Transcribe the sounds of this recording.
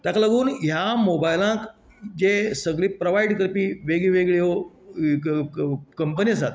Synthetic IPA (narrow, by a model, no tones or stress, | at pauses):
t̪jakalaɡuːnɦjamobajlãk | d͡ʑesəɡɭiːpɾəʋaiɖkəɾpiːʋeɡɭiʋeɡɭeo | kəmpəniasat̪